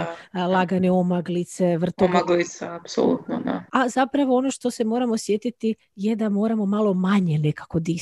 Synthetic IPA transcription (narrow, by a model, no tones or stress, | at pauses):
lˠaɡaneomaɡlit̪se̞ʋr̩t̪omaɡlit̪saapso̰lṵt̪no̰d̪a̰azapɾaʋo̞ono̞ʃt̪o̞se̞mo̞ɾamosjet̪it̪i | je̞d̪amo̞ːɾamo̞malˠo̞maɲe̞ne̞kḁko̞d̪i